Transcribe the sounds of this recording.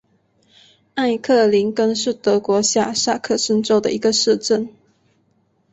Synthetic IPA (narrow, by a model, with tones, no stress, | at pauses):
a˥˩ɪkʰɤ˥˩li˧˥ŋkə˥nʂɻ̩˥˩t̪ɤ˧˥kwɔ˧˥ɕja˥˩ʂa˥˧kʰɤ˥˩ʂə˥nʈ͡ʂo˥ʊd̪ə̰˨ʔi˧˥ɡə˧ʂɻ̩˥˧ʈ͡ʂə˥˩n